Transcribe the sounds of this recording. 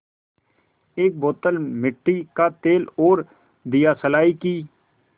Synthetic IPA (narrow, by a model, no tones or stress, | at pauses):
eːk̚boːt̪əlmɪʈːikaːt̪eːloːɾ | d̪ɪjaːsəlaːikiː